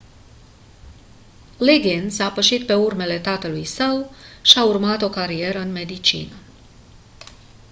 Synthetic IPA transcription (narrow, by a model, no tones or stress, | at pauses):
liɡinsapəʃit̪̚pe̞urme̞le̞t̪at̪əlujsəwʃiaurmat̪o̞kaɾie̞ɾəɨnme̞d̪it͡ʃḭnə